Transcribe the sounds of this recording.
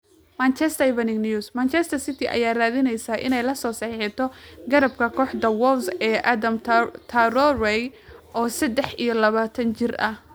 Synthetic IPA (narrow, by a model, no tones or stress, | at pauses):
mant͡ʃɛst̪ɐβɐnɪɡnjusmaːnt͡ʃɛst̪ʰɐrsɪt̪ʰɪʔɐ̰jaːraːðɪnɛjsaʔɪ̰nɛjlɐsɔːsɑħħɪt̪ʰɔɡɐɾɐb̚kʰɐkʰɔːħd̪ɐwɔlsɛːʔad̪ɐmt̪ʰɐɾɔrɛjʔɔːsɐd̪ɛħijɔlɐβaːt̪ʰɐnt͡ʃɪrɐ̰h